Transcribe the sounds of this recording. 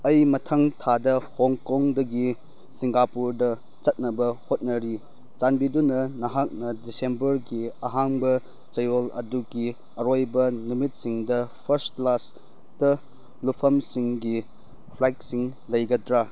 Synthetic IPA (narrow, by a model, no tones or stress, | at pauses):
ɐjmɐtʰɐŋtʰadɐhoŋkoŋdɐɡi | siŋɡapuɾdɐ | t͡ʃɐt̚nɐbɐhot̚nɐɾi | d͡ʒanbidunɐnɐɦak̚nɐdisembɐɾɡiɐɦaŋbɐ | t͡ʃɐjolɐ̰duɡi | ɐɾojbɐnumit̚siŋdɐpʰɐɾstklas | dɐ | lupʰɐmsiŋɡi | pʰlajk̚siŋlɐjɡɐdɾa